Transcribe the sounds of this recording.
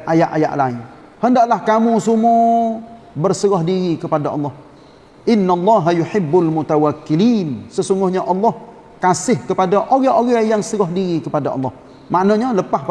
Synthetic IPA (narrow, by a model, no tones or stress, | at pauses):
ʔajaʔaja̰ʔlaɪn | həndaʔlahkamusumɔ | bərsəɣɔhdiɾikəpadaʔɑ̰lˠˤːɑh | ʔɪnːalˤːɑɦajuħɪbːalmut̪awakːilinsəsuŋɡʊhɲaʔɑlːɔh | kasɪhkəpadaʔoɣaoɣahjaŋsəɣɔhdiɾikəpadaʔɑ̰lˠˤːɔh | maʔnəɲələpahp